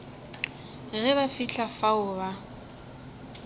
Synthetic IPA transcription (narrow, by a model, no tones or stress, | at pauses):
ɣɛβafiɬʰafaʊba